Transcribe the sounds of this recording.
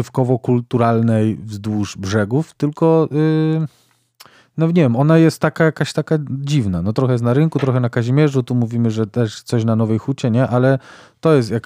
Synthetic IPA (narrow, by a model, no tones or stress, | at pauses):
fkɔvɔkult̪uɾalnɛjvzd̪wuʐbʐɛɡuft̪ɘlkɔʔ | nɔɲɛvʲjɛmɔnajɛst̪ːakajakaɕt̪akad͡ʑivnanɔt̪ɾɔxɛjɛs̬naɾɘŋkut̪ɾɔxɛnakaʑimʲjɛʐut̪umuvʲimɘʐɛt̪ɛʂt̪sɔɕnanɔvɛjxut͡ɕɛɲɛʔalɛ | t̪ɔjɛst̪jak